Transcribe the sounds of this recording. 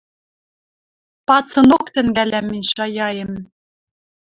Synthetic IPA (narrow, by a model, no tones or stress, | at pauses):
pɑt͡sɤ̆nokt̪ɘ̆ŋɡælæmːɘ̆nʲɕɑjɑjĕm